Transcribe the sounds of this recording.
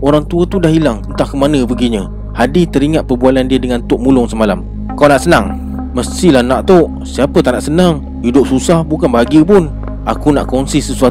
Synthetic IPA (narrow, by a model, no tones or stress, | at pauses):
oɾaŋt̪uat̪udahɦilaŋt̪ənt̪ahkəmanə̃bəɡiɲə | hadit̪əɾiŋat̪̚pərbualandiədəŋant̪ʊʔ̚mulʊŋsəmalam | kawnaʔsənaŋ | məst̪ilahnaʔt̪oʔ | siapət̪aʔnaʔsənaŋ | hidʊp̚susahbukanbaɡəpʊn | akunaʔkɔnsisəsua